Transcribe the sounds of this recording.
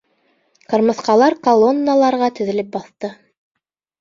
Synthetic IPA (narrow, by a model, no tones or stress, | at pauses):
qɤ̆ɾmɤ̆θqɑlˠɑɾkɐlˠonːalˠɑɾʁɑt̪ɵ̆ðɘ̆lɘp̚bɑθt̪ɤ